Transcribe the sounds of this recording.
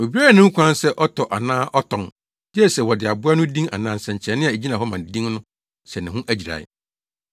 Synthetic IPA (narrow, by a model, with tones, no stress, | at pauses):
o˨bi˦ɾa˦˨nʊ̃˦ŋ̩˦kʰʷã˦n˦sɛ˦ʔɔ˦tʰɔ˨ʔa˨nãː˦ʔɔ˦tʰɔ̃˨ŋ | dɪ˦ɛ˦˨sɛ˨wɔ˨dɪ˨a˨bʊ˦a˦nʊ̃˦dĩ˦ŋa̰˨nãː˦˨n̩˨sɛ̃˨ɲ̩˨t͡ɕʰɛ˨˦nɪ̃˦˨e˨d͡ʑi˦nã˨hɔ˦mã˨dĩ˦ŋnʊ̃˦ | sɛ˨nɪ̃˨ɦʊ̃˦ʔæ˦d͡ʑi˨ɾa̰˨ɪ̰˨